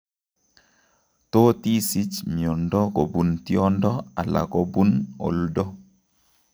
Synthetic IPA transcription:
tɔ˦ti˦si˦t͡ʃmi˨ɔ˨ndɔ˦ko˨bu˨nti˦ɔ˦ndɔ˦a˨la̰˨kɔ˦bu˦no̰˨ldɔ˦

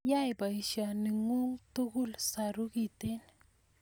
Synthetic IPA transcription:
ja˦jba˨jʃani˨ŋu˦ŋt̪u˦ɡu˦lsaɾu˦kit̪e˦n

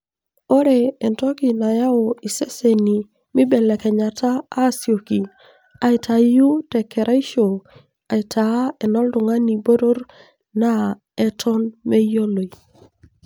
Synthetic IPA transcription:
o˦ɾe˨ɛ˨ntɔ˦ki˨na˨ja˦o˨i˨se˦se˨ni˨ | mi˦bɛ˨lɛ˨kɛ˨ɲa˨taː˦sjo˨ki˨ | a˨i˨tʰa˨ju˦tɛ˨kʰɛ˨ɾʔa˦i˦ʃo˨ | a˨i˨tʰa˨˦ɛ˨nɔ˦ldʊ˨ŋa˦ni˨bo˦ɾo˦ɾ | na˦ | ɛ˦tʰɔ˦nme˦jo˦lo˨i˨

